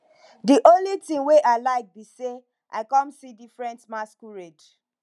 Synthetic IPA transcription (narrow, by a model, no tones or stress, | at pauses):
diʔõnlitĩŋweʔaɪlaɪk̚bise | ʔa̰ɪkɔ̃msidifɹɛ̃ntmaskuɹed